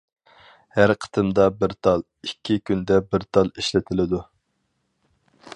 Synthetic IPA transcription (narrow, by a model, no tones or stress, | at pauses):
hæɾqʰə̥t̪ʰɨmd̪ɑbɪɾt̪ʰɑlˠ | ikʲʰːikʲʰynd̪ɛbɪɾt̪ʰɑlˠiʃlɪt̪ʰɪlɪd̪u